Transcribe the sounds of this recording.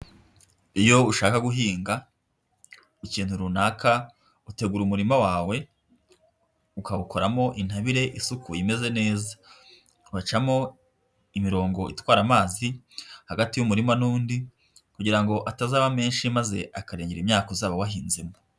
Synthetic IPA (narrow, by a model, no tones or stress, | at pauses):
ijo̞uʃaːkaɡuɦiːŋɡa | iciːn̥huɾunaka | ute̞ɡuɾumuɾimawaːwe̞ | ukaβuko̞ɾamo̞ʔin̥haβiɾe̞ʔisukujime̞ze̞ne̞ːza | wat͡ʃamo̞ | imiɾo̞ːŋɡo̞ḭtwaːɾamaːzi | haɡatijumuɾimanuːndi | kuɟiɾaŋɡo̞ʔatazaːβame̞ːnʃimaze̞̰ʔakaɾeːɲeɾimɲaːkozaːβawaɦiːnzima